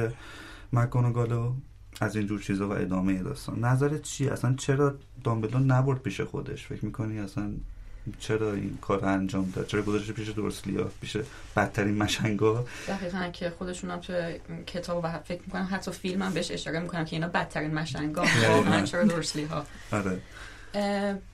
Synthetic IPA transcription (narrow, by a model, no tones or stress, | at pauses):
e | mækːɒnoɡɒlo | æzind͡ʒuːɾt͡ʃʰiːzɒːvæ̰ʔe̞̰d̪ɒːmejed̪ɒ̰ːst̪ɒ̰ːnːæzæɾet̪t͡ʃʰieʔæ̰sænt͡ʃʰe̞ɾɒː | d̪ɒmbelonæboɾd̪̚pʰiːʃexo̞̰d̪e̞̰ʃfe̞cʰmiːkʰoniæsænt͡ʃʰe̞ɾɒːḭnkʰɒːɾoænd͡ʒɒːmd̪ɒ̰d̪̚t͡ʃʰeɾɒːɡozɒʃeipiːʃed̪o̰ɾslḭhɒ̰pʰiːʃeb̥æt̪ʰːæɾiːnmæʃæŋɡɒːd̪æɣiːɣæncʰexo̞d̪e̞ʃuːnæmt̪ʰujecʰe̞t̪ʰɒːbvæfecʰmiːkonæmɦæt̪ʰːɒfilmæmbeeʃe̞ʃɒːɾe̞miːkʰo̞næmcʰeiːnɒːbæt̪̚ʰːæɾiːnmæʃæŋɡɒːæiknæt͡ʃʰeɾɒːd̪osliɦɒ | ɒɾe